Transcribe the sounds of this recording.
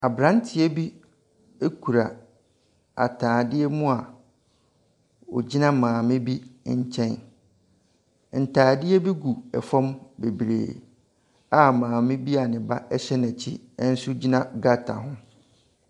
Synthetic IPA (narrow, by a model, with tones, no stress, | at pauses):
a˨bɾã˦ntʰɪ˨ɛ˦bi˦ | e˦kʰu˨ɾa˨ | a̰˨tʰaː˨dɪ˦ɛ˦mʊ̃˦a˨ | ɔ̰˨d͡ʑi˦nã˦mãː˨mɪ̃˦bi˦ɲ̩˦t͡ɕʰɛ̃˦n | n̩˨tʰaː˨dɪ˦ɛ˦bi˦ɡu˨ɛ˨fɔ̃˦mbe˨bɾḛː˨ | a˨mãː˨mɪ̃˦bi˦a˨nɪ̃˨ba˦ʔɛ˦ɕɛ˦næ̃˨t͡ɕʰi˦ | ɛ˦n̩˦sʊ˦d͡ʑi˦nã˦ɡa˦tʰa̰˨ɦʊ̃˦